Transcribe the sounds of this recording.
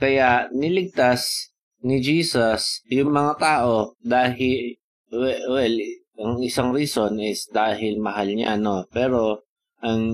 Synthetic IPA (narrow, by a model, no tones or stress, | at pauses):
kɐjaʔnɪlɪɡ̚t̪as | nɪd͡ʒiːsɐsjʊŋmɐŋat̪aːʔo̞d̪aːɦɪ | wɛwɛl | ɐŋɪsaŋɾiso̞nɪsd̪aːɦɪlmɐɦalɲa̰no̞pɛːɾo̞ | ʔɐŋ